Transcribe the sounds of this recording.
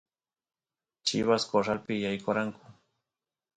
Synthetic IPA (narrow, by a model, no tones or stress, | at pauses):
t͡ʃɪ̰βaskoɾalpɪjajkoɾaŋkʊ̥